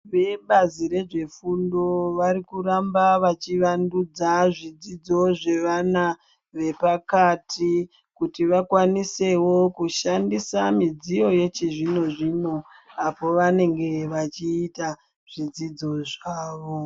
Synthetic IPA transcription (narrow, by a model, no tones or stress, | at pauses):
ʋe̞ɓaziɾe̞ʐe̞fundo̞ʋaɾikuɾambaʋat͡ʃiʋandud͡zaʐid͡zid͡zo̞ʐe̞ʋana | ʋe̞pakatʰi | kutiʋakwanise̞wo̞kuʃandisamid͡zijo̞je̞t͡ʃeʐino̞ʐino̞ | apo̞ʋane̞ŋɡe̞ʋat͡ʃiːta | ʐ̥id͡zid͡zo̞ʐaːʋo̞